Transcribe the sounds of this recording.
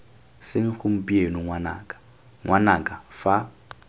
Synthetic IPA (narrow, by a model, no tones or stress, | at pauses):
sɪŋ̩xum̩pʼienuŋwana̰ːkʼḁ | ŋwʔanakʼafa